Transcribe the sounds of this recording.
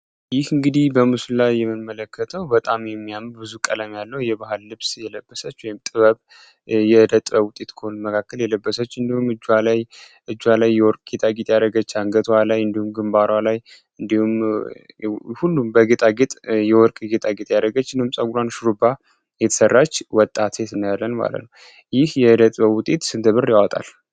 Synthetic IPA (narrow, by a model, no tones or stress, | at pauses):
jɪhɨŋɡɨd̪ihbəmɨsulajːɛmːɨnmələkːət̪ʰəwbət̪ʼamjɛmːijamɨbɨzukʼələmjalːəhjɛbaɦɨlːɨβsjɛləbːəsət͡ʃːwɔjɪmt̪ʼɨβəβ | jɛɨd̪ət̪ʼbəwʊt̪ʼet̪kʰəhonməkʰakːəljɛləbːəsət͡ʃːɨnd̪ihumɨd͡ʒːwalaj | ʔɨd͡ʒːwalajːɛwɔɾkʼɡ̥et̪ʰaɡet̪jaɾəɡət͡ʃːaŋɡət̪ʰwalajɨnd̪ihumɡɨmbaɾwalaj | ɨnd̪ihum | hulːumbəɡet̪ʼaɡet̪ʼjɛwɔɾkʼɡet̪ʼaɡet̪ʼjaɾəɡət͡ʃːnɨumsʼaɡulanʃuɾuba | jɛt̪ʰə̥sərːat͡ʃːwɔt̪ʼːat̪ʰet̪ɨnːəjalːənma̰lə̰t̪nəw | jɪhjɛɨd̪ət̪ʼbəwʊt̪ʼet̪sɨnt̪ʰəβɨrjawɔt̪ʼa̰l